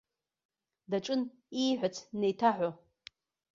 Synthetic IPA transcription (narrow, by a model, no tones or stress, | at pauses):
daʈ͡ʂʼɨn | iħʷat͡sʰnejtʰaħʷo